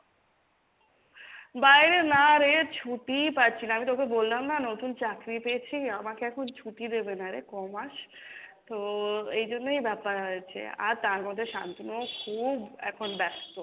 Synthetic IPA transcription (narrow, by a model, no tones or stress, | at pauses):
bajɾenaɾet͡ɕʰuʈipatːt͡ɕʰinaamit̪okebolːamnanot̪unt͡ɕakɾipeet͡ɕʰiamakeɛkʰont͡ɕʰuʈid̪ebenaɾḛkɔmaʃ | t̪oejd͡ʑonːejbɛpaɾoet͡ɕʰḛa̰ɾt̪aɾmɔd̪ʱːeʃa̰nt̪onokʰubɛ̰kʰonbɛst̪o